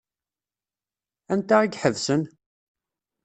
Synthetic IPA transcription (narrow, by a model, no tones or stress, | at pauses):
ænt̪aiɡħəðsən